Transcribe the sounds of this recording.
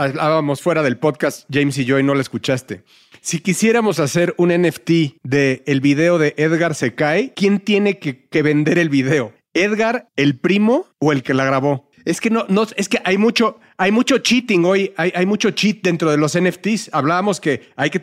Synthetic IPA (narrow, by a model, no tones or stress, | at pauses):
aβlaβamo̞sfwe̞ɾaðe̞lpo̞ðkast̪ɟ͡ʝejms̬iʝojno̞laeskut͡ʃast̪e̞̰ | sikisje̞ɾamo̞sase̞ɾuneneft̪iðe̞ːlβiðe̞o̞ðe̞ʔeðɣaɾse̞kaekje̞nt̪je̞ne̞keke̞βe̞nd̪e̞ɾe̞lβiðe̞o̞ | eðɣaɾe̞lpɾimo̞oe̞lke̞laɣ̞ɾaβo̞ | e̞ske̞no̞nose̞skeʔajmut͡ʃo̞ | ajmut͡ʃo̞t͡ʃit̪iŋo̞jajajmut͡ʃo̞t͡ʃit̪̚d̪e̞nt̪ɾo̞ðe̞lo̞seneft̪isaβlaβamo̞ske̞ajke